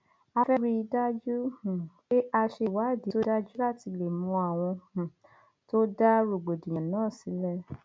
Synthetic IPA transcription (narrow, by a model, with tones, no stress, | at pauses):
a˧fɛ˦ɾi˧da˦d͡ʒu˦hũ˨k͡pe˦ʔa˧ʃe˧wa˨˦˨di˨˦to˦da˦d͡ʒu˦la˦˨ti˧le˨mũ˧a˨w̃ɔ̃˧hũ˨ | to˦da˦ɾo˨ɡ͡bo˨dĩ˨jã˨nãː˦˨si˨˦lɛ˦